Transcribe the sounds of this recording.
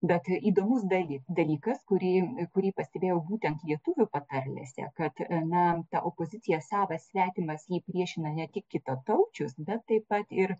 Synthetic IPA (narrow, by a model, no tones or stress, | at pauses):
bʲɛt̪iːd̪oːmʊs̬d̪ɐlʲɪd̪ɐlʲiːkɐskʊɾʲiːkʊɾʲiːpɐsʲt̪ʲɛbʲeːjɛʊbuːt̪ʲɛnt̪lʲiɛt̪ʊʋʲʊpɐt̪ɐrʲlʲɛ̰sʲɛ̰kɐt̪nɐt̪ɑʔopoːzʲɪtt͡s̪ʲɪjɛsɑːʋɐsʲʋʲæːt̪ʲɪmɐsjiːpʲɾʲiɛʃʲɪnɐnʲɛt̪ʲɪkkʲɪt̪ɐt̪ɐʊt͡ʃʲʊsbʲɛt̪ːɐɪppɐt̪ɪr